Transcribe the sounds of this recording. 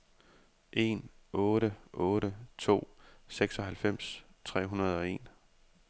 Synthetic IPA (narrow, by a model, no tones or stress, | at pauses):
ʔe̝nɔːɾəʔɔ̽ːɾət͡sʰo̝̰ːseɡ̥sɒ̽ɦælfem̰st͡sʰʁɛ̰ːɦunɐð̞ˠɒ̽e̝̰n